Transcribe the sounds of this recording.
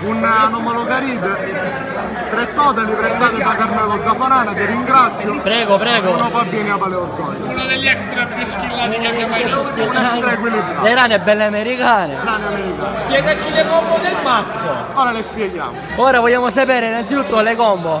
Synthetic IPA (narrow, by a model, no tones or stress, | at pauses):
unanɔmɔlɔɡaɾiːd̪ | t̪ɾɛt̪ːɔːt̪alipɾɛst̪aːt̪ed̪akaɾmɛːlod̪zapːonaːnat̪iriŋɡɾat̪sjopɾɛːɡopɾɛːɡonopabːjɛːniabaleod̪zɔnunod̪elːɛkst̪ɾapɾiskilaːt̪iaaaunaaek̬wilibɾaleɾaːnɛbːɛlːeameɾikaːnḛaneamɛɾika̰ːspjɛːɡat͡ʃilekɔmbod̪elmat̪so | ɔːɾalespjɛɡja̰ːmo | ɔːɾavɔʎːaːmosapɛːɾeinant̪sit̪ut̪ːolekɔmbo